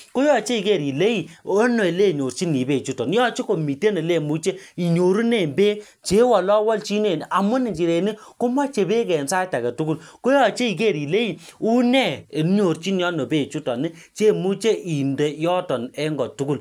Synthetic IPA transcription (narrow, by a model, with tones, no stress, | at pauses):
ko˦jɔ˨t͡ʃe˦i˨ke˦˨ɾi˨le˦i˨o˦no˨e˨le˦˨ɲo˨rt͡ʃi˦ni˨be˨t͡ʃu˦tɔ˨n˦jɔ˦t͡ʃe˦ko˨mi˨te˦ne˨le˦˨mu˦t͡ʃe˦i˨ɲo˨ɾu˦ne˦˨mbe˦ | t͡ʃe˨˦wɔ˨lɔ˦wɔ˦lt͡ʃi˦ne˨n˨ʔa˨mʊ˦ni˨ɲd͡ʒi˨ɾe˨ni˦ku˦ma˦t͡ʃe˨be˦kɛ˨nsa˦ta˨kɛ˨tu˦ku˦˨lko˦jɔ˦˨t͡ʃe˦i˨ke˦˨ɾi˨le˦i˨u˦nɛ˦˨e˨n˦ɲo˨ɾt͡ʃi˦n˦jɔ˦no˨be˦˨t͡ʃu˦tɔ˨nɪ˦ | t͡ʃe˦˨mu˦t͡ʃe˦ʔi˨nde˨jɔ˦tɔ˨nɛ˦ŋɡɔ˨tu˦ku˦l